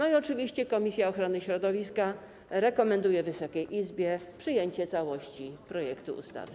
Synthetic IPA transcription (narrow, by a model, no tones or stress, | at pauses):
nɔiɔt͡ʂɘvʲiɕt͡ɕɛkɔmʲisʲjaɔxɾɔnɘɕɾɔd̪ɔvʲiska | ɾɛkɔmɛnd̪ujɛvɘsɔkʲejʔizbʲjɛpʂɘjeɲt͡ɕɛt̪sawɔɕt͡ɕipɾɔjɛkt̪ṵṵst̪a̰vɘ